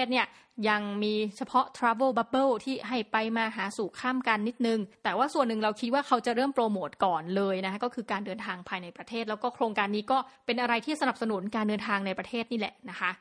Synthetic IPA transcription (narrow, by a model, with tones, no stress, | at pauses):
t̪̚ni˥˩ə | ja˧ŋmiː˧t͡ɕʰa˧pʰɔ˦˥t̪ʰɾaː˦˥bɤː˥˩ba˦bɤː˥˩t̪ʰiː˥˩ɦa˥˩jpa˧jmaː˧ɦaː˩˦suː˨˩kʰaː˥˩mka˧nːi˦˥t̪̚nɯ˨˧ŋt̪ɛː˨˩waː˥˩su˨˩ənːɯ˨˩ŋɾa˧wkʰi˦˥t̪̚waː˥˩kʰa˦˥wt͡ɕa˨˩ʔɾɤː˥˩mpɾoː˧moː˨˩t̪̚kɔː˨˩nlɤː˧jna˦˥kʰa˦˥kɔː˥˩kʰɯː˧kaː˧ndɤː˧nt̪ʰaː˧ŋpʰaː˧jna˧jpɾa˧t̪ʰeː˥˩t̪̚lɛ˦˥wkɔː˥˩kʰɾoː˧ŋkaː˧nːiː˦˥kɔː˥˩pe˧nʔa˧ɾa˧jt̪ʰiː˥˩sa˧na˨˩p̚sa˧nu˨˩˦nkaː˧ndɤː˧nt̪ʰaː˧ŋna˧jpɾa˧t̪ʰeː˥˩t̪̚niː˥˩lɛ̰˨˩ʔna˦˥kʰa˦˥ʔ